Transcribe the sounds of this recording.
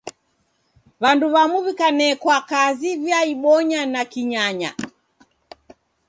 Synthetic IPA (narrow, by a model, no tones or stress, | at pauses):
βanduβamuβikanɛkwakazivjaiɓɔɲanakiɲaɲa̰